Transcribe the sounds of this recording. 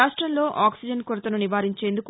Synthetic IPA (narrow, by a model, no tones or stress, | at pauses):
aːʂʈɾɐnlo̞ːʔaːksid͡ʒɐnkuɾɐt̪ɐnuniʋaːɾiɲt͡ʃe̞ːnd̪uku